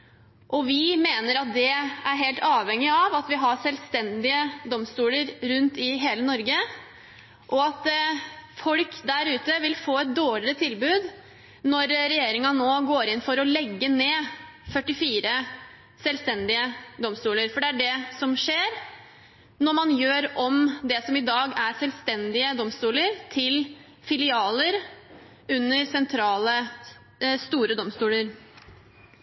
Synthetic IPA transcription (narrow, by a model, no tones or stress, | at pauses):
ʔɔʋɪmeːnəɾɑt̪̚d̪ɛæɾɦeːlt̪ʰɑːʋɛŋːɪɑʋɑt̪ʋɪɦɑʂɛlst̪ɛnd̪ɪəd̪ɔmst̪uːləɾɾʉnt̪ɪɦeːlənɔɾɡə | ʔɔɑt̪ | fɔlkd̪æɾʉːt̪əʋɪlfoːɛt̪̚d̪oːɭɪɾət̪ʰɪlbʉːd̪ | nɔɾɾɛjeːɾɪŋɑnoːɡoːɾɪnfɔɾɔlɛɡːəneː | fœʈːɪfiːɾə | sɛlʋst̪ɛnd̪ɪəd̪ɔmst̪uːləɾfɔɖɛæɖɛsɔmʂeːɾ | nɔɾmɑnjøːɾʔɔmd̪ɛsɔmɪd̪ɑːɡæɾsɛlst̪ɛnd̪ɪəd̪ɔmst̪uːləɾt̪ʰɪl | fɪlɪɑːləɾ | ʉnːəɾsɛnt̪ʰɾɑːlə | st̪uːɾəd̪ɔmst̪uːləɾ